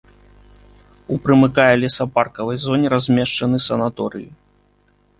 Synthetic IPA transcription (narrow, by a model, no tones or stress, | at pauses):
upɾɨmɨkajɛlʲisɐparkɐvɐjzɔnʲɛɾazʲmʲɛʂt͡ʂɐnɨsɐnat̪ɔɾɨ̰ji